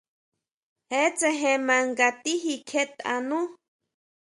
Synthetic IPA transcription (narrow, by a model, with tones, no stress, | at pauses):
he˦t͡se˧ɦẽ˨mã˨ŋɡa˨t̪i˦ɦi˧kʰe˦t̪a̰˧nũ˦